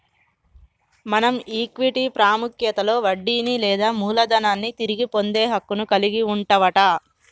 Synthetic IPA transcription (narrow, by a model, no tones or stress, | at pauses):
mɐnɐmiːkʋiʈipɾaːmukjɐt̪ɐlo̞ːʋɐɖːiːnilɛːd̪aːmuːlɐd̪ɐnaːnːit̪iɾiɡipo̞nd̪eːɦɐkːunukɐliɡiuɳʈɐʋɐʈɐ